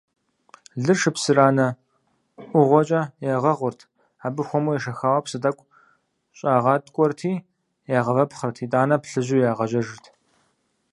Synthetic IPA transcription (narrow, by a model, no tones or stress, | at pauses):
ɮɨrʂɨpsɨɾaːnɐ | ʔʷʊʁʷɔt͡ʃʼɐjaːʁɐʁʷʊrtʰ | aːbɨxʷɔmujɛʃɐxaːwɐpsɨtʼɐkʷʼ | ɕʼaːʁɑːtʼkʷʼɔrtʰiː | jaːʁɐvɐpχɐrtʰiːtʼaːnɐpɬɨʑujaːʁɐʑɐʒɨrtʰ